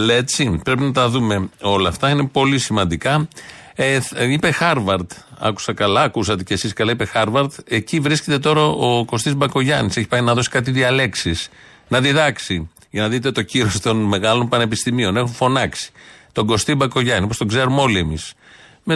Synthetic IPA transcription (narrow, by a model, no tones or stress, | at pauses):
let͡sipɾe̞pinɐt̪̬ɐðume̞o̞lɐft̪ɐine̞po̞lisimɐnd̪ikɐ | eipe̞xɐɾvɐɾt̪ɐ̰ku̥sɐkɐlɐːkusɐt̪e̞ce̞siskɐlɐipe̞xɐɾvɐɾt̪e̞civɾisce̞t̪e̞t̪o̞ɾɐo̞ko̞st̪izbɐko̞ʝɐnise̞çi̥pɐjnɐðo̞si̥kɐt̪̬iðiɐle̞ksis | nɐðiðɐksi | ʝɐnɐðit̪et̪o̞ciɾo̞st̪o̞nme̞ɣɐlo̞mpɐne̞pist̪imio̞ne̞xuɱfo̞nɐksi̥t̪o̞ɡo̞st̪ibɐko̞ʝɐniopost̪o̞ɡze̞ɾumo̞lie̞mis | me